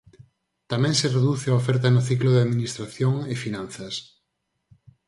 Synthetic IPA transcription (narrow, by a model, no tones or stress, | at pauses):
t̪amɛ̃ŋsɪreðuθɪaofɛɾt̪̬ɐnʊθikloðeaðminist̪ɾaθjoŋefinãnθɐs